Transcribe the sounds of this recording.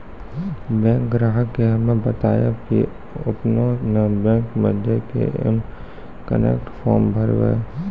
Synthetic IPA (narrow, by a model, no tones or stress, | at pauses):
bɛ̃ːŋkɡɾaːɦəkːeɦɐmẽbət̪aːjaki | ʊpnonebɛ̃ːŋkməd̪ʱjekḛʔḛm | kə̰nḛːkʈfʰɔːɾmbʱəɾwḛː